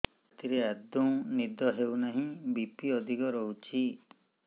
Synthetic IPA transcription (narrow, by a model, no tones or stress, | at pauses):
t̪iɾead̪unid̪ɔɦewnaɦĩbipiɔd̪ʱikɔɾɔɦut͡ʃʰi